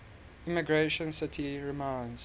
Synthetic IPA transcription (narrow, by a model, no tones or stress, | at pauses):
imiɡɹeʃə̃nsɪtʰiɹimãɪnz